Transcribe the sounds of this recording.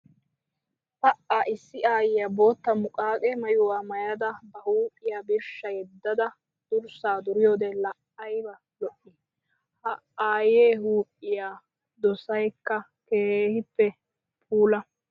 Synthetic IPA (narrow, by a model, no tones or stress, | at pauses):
pɐʔaʔɪsːɪʔaːjɪjabo̞ːt̪ːɐmʊkʼaːkʼɛmɐjʊwaːmɐjɐd̪ɐbɐhuːʔʼɪjaːbɪɾʃːɐjɛd̪ːɐd̪ɐ | d̪̥ʊɾsaːd̪ʊɾɪjoːd̪ɛlɐʔɐjbɐ | lɔʔːɪ | hɐ | aːjeːɦuːʔɪjaː | d̪ɔsɐjkːɐ | keːhɪpːɛ | pʰuːlɐ